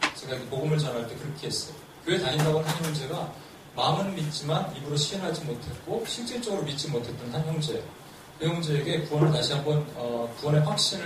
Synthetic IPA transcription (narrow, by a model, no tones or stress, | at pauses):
t͡ɕe̞ɡaiɡepoɡɯmɯɭt͡ɕʌnɦaɭt͈e̞kɯɾʌkʰiɦes͈ʌjo | kjɯwetaindabʌnhanjʌŋd͡ʑe̞ɡa | mamɯnmit̚t͡ɕ͈imanimɯɾoɕʰienɦad͡ʑimotʰe̞t̚k͈oɕʰik̚t͡ɕ͈eɭt͡ɕ͈ʌɡɯɾomit̚t͡ɕ͈imotʰe̞t͈ʌnsanjʌŋd͡ʑe̞ | kɯjʌŋd͡ʑe̞ːɡe̞kuwʌnɯɭtaɕʰiɦambʌnʌkuwʌne̞ɸwak̚ɕ͈iɾɯ